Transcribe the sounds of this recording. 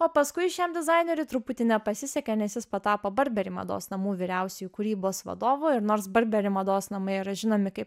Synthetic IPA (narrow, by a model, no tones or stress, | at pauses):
oːpɐskʊɪʃʲɛmd̪ʲɪzɑɪnʲeːɾʲʊt̪ɾʊpʊt̪ʲɪnʲɛpɐsʲɪsʲɛkʲɛnʲɛsʲɪspɐt̪ɑːpoːbɐɾʲbʲɛɾʲɪmɐ̰d̪o̰ːsnɐmuːʋʲiːɾʲæˑʊsʲɛjuːkʊɾʲiːboːsʋɐ̰d̪oːʋoːɪɾnoːɾsbɐɾʲbʲɛɾʲɪmɐd̪oːsnɐmɐɪiɾɐʒʲɪnoːmʲɪkɐɪp